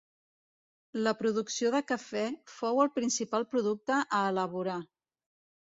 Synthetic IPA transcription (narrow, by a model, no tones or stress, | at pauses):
ləpɾuðuksioðəkəfɛfowəlˠpɾinsipalˠpɾuðuk̚t̪əʔəːləβ̞uɾa